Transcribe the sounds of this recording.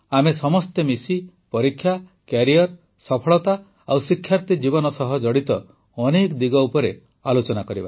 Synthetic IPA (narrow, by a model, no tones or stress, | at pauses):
amesɔmɔst̪emisi | pɔɾikʰːjakjaɾiɔɾ | sɔpʰɔɭɔt̪a | awsikʰjaɾt̪id͡ʒibɔnɔsɔɦɔd͡ʒɔɽit̪ɔ | ɔnekd̪iɡɔupɔɾe | alot͡ʃɔnakɔɾiba̰